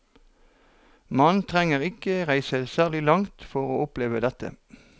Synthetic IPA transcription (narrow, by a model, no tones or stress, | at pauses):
mɑnt̪ʰʁɛŋəʁɪkəʁæɪsəsæːʁlɪlɑŋt̪fɔʁoːʔʊpleːʋəd̪ɛt̪ə̰